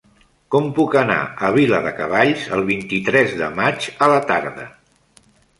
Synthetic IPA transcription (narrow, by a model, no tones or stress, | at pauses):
kɔmpukəna̰əβ̞iləðəkəβ̞aʎzəlˠβ̞int̪it̪ɾɛzðə̰mad͡ʒələt̪aɾðə̰